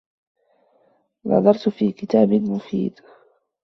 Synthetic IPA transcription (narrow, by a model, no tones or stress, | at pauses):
nʔɑ̰ðˤɑɾˤt̪fiːkɪt̪aːbɪlmʊfḭːd̪